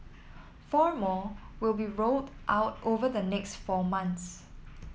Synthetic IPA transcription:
fɔɹmɔ | wilˠbiɹoldʔaʊtovəðənɛkstfɔmãnts

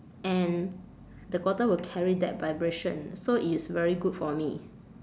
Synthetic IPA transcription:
ʔɛ̃n | dəkwɔtəwilkʰɛɹidɛ̰t̚vajbɹeʃə̰̃nsoitsvɛɹiɡutfɔmi

